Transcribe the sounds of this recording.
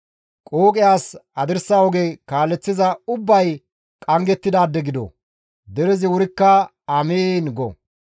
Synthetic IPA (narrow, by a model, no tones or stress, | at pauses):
kʼoːkʼɪjaːsɐd̪ɪɾsawɔɡeːkaːlːɛt͡sːɪzɐʊbːɐj | kʼɐŋɡɛt̪ːɪd̪aːd̪ːɛɡɪd̪o̰ | d̪ɛɾɛzɪwʊɾɪkːɐ | ɐmeːnɡɔ̰